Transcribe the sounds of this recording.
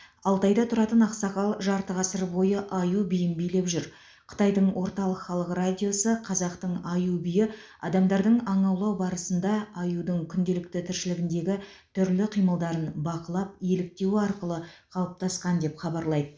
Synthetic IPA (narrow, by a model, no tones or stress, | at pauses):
ɑlˠt̪ɑjd̪ɑt̪ʰʊɾɑt̪ənɑqsɑqɑlˠʒɑɾt̪əʁɑsəɾbo̞jəʔɑjubijɪmbijle̞pʒʏɾ | qʰə̥t̪ɑjd̪əɴwʔo̞ɾt̪ɑlˠəqχɑlˠəqradʲijo̞səqʰɑzɑqt̪əɴɑjubʏjɪ | ɑ̰d̪ɑmd̪ɑɾd̪əɴɑɴɑwlˠɑwbɑɾəsənd̪ɑɑjud̪əɴkʲʰʏnd̪e̞lɪkt̪ɪt̪ʰɪɾʃɪlɪɡʲɪnd̪e̞ɡʲɪ | t̪ʰʏɾlɪqʰijməlˠd̪ɑɾənbɑqəlˠɑp̚je̞lɪk̚t̪e̞wɪɑɾqəlˠəqʰɑlˠəp̚t̪ʰɑsqɑnd̪e̞pχɑbɑɾlˠɑjd̪ə